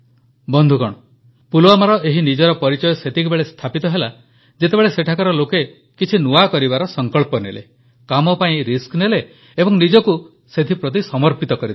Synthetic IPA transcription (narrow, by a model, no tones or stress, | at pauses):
bɔnd̪ʱukɔɽ̃ɔ | pulwamaɾɔʔeɦinid͡ʒɔɾɔpɔɾit͡ʃɔjɔset̪ʰikubeɭest̪ʰapit̪ɔɦela | d͡ʒet̪ebeɭeseʈʰakɔɾɔloke | kit͡ʃʰinuakɔɾibaɾɔsɔŋkɔɭpɔnelḛ | kamɔpaĩɾiskneleː | bɔŋnid͡ʒɔku | set̪ʰipɾɔt̪̬isɔmɔɾpit̪ɔkɔɾit̪ʰ